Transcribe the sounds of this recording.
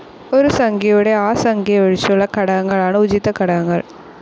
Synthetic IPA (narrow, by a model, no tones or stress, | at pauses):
ɔɾɯsɐŋɡɪjʋɯɽɐaːsɐŋɡiɐʋɪɻt͡ʃːɔlːɐkɐɽɐɐŋɡɐɭaːnɐʊt͡ʃɪt̪ːɐkɐɽɐɐŋɡɐ̰ɭ